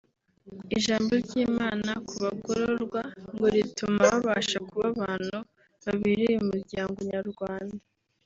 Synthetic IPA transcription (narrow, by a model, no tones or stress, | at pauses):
iʒaːmbo̞ɾɟiːmaːnakuβaɡoɾoɾɡwaŋɡo̞ɾitʰumaβaβaʃakuβaβaːnu | βaβiɾiumuɾɟaːŋɡoɲaɾɡwaːnda